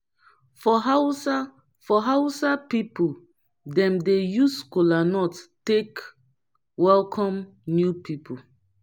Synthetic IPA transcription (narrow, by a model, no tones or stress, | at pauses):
fɔɦawsa | fɔɦaʊsapipo | dɛ̃mdejuskolanɔttek | wɛlkʰɔ̃m | njupipʰo